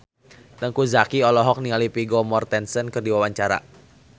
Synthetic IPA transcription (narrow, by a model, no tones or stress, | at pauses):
dəŋkuzakiɔlɔɦɔk̚niŋalipiɡɔmɔrt̪ɛnsənkɨrdiwawaɲt͡ʃaɾa̰